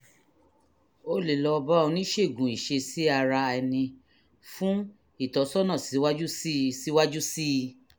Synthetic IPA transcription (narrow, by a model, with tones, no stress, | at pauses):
o˦le˨lɔ˨˧ba˦ɔ˧nĩ˦ʃe˦˨ɡũ˨i˨ʃe˧si˨˦a˧ɾa˧ɛ˧nĩ˧ | fũ˦ | i˦˨tɔ˨˦sɔ˦nã˦˨si˨˦wa˦d͡ʒu˦ssi˨˦wa˦d͡ʒu˦si˦˧